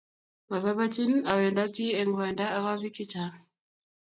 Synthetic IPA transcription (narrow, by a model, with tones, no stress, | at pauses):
ma˨βa˦βa˦ti˦na˨wɛ˨nda˦ki˦ɛ˨ŋɡwɛ˨nda˦a˦ka˦βi˦ki˦t͡ʃa˨